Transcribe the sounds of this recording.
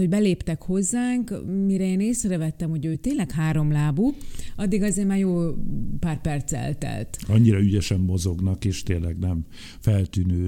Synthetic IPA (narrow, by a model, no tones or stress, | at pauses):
hoɟbɛleːpt̪ɛkho̞zːaːŋkmiɾɛeːneːsrɛvɛt̪ːɛmho̞ɟøːt̪eːnlɛkhaːɾo̞mlaːbuːɒd̪ːiɡɒzeːrmaːrjoːpaːrpɛrt̪sɛ̰lt̪ɛ̰lt̪ɒɲːiɾɒyɟɛʃɛmːozo̞ɡnɒkeːʃt̪eːlɛɡnɛm | fɛlt̪yːnøː